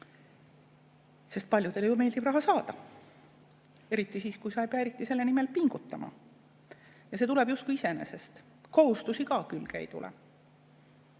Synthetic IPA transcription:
se̞st̪̚pɑlʲjud̪̥e̞ljume̞ːld̪̥ibrɑɦɑsɑːd̪̥ɑ | e̞ɾit̪ːˑisiːskujsɑejpeɑeɾit̪ːˑise̞lːe̞nime̞lpiŋɡ̥ut̪ːˑɑmɑ̰ | jɑset̪ule̞b̥just̪kuise̞ne̞se̞st̪ | ko̞hust̪usikɑːkylkæjd̪ṵlʔḛ

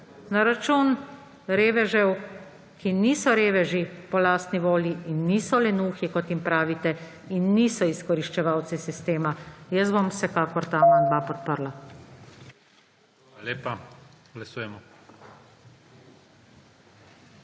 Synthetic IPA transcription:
naɾat͡ʃuːn | ɾeːʋɛʒɛw | kʰiniːsɔɾeːʋɛʒipɔlaːst̪niʋoːljiinːiːsɔlɛnuːxikɔt̪jimpɾaːʋit̪ɛ | inːiːsɔiskɔɾiʃt͡ʃɛʋawt̪sisist̪eːmajəsbomwsɛkaːkɔɾt̪amand̪ʋapɔt̪̚pəɾla | leːpa | ɡlasuːjɛmɔ

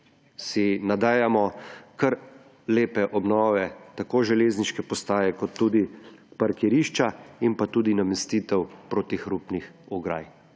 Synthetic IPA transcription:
sinad̪aːjamɔkɐɾ | leːpɛʔɔbnɔːʋɛt̪akoːʒɛleːzniʃkɛpɔst̪aːjɛkɔt̪ːuːd̪ipaɾkɛɾiːʃt͡ʃaimpat̪uːd̪inamɛst̪iːt̪ɛwpɾot̪ixɾupnixuɡɾa̰ːj

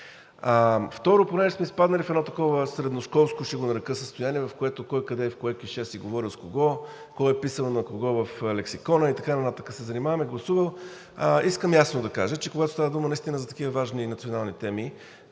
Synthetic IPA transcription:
əft̪ɔɾoponɛʒɛsmɛispad̪nɐlifɛd̪nɔt̪ɐkɔvəsɾɛd̪noskɔlˠskoʃiɡonɐɾɐkɤsəst̪ojaniɛvɐfkoɛt̪okɔjkɐd̪ɛfkoɛkiʃɛsiɡovɔɾilˠzkoɡɔ | kɔjɛpisənonɐkoɡɔvɐflɛksikɔnəit̪ɐkanɐt̪at̪əkəsɛzɐnimavɐmiɡlˠɐsuvəlˠ | əiskəmjasnod̪ɐka̰ʒət͡ʃɛkoɡat̪ost̪avəd̪umənɐist̪inəzɐt̪ɐ̥kivəvaʒninɐt̪sionalˠnit̪ɛmi

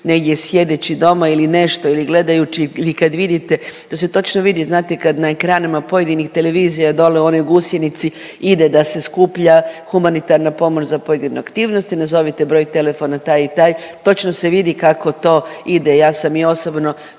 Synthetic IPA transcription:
ne̞ɡd̪jesje̞d̪et͡ɕid̪o̞mailine̞ʃt̪o̞iliɡle̞d̪ajut͡ʃiilikad̪ʋid̪it̪e̞t̪ose̞t̪o̞t͡ʃnoʋid̪iznaːt̪ekad̪naekɾaːnimapo̞je̞d̪inixt̪e̞le̞ʋiːzijad̪o̞leo̞nouɡusjenit̪si | id̪e̞d̪ase̞skuːpʎaxumanit̪aɾnapo̞mo̞t͡ʃzapo̞jed̪inṵakt̪iːʋno̞st̪inazo̞ʋit̪ebɾo̞jt̪e̞le̞fo̞nat̪aːjit̪aːjt̪o̞t͡ʃnose̞ʋid̪ikako̞t̪o̞ːid̪ejaːsamio̞sobno̞

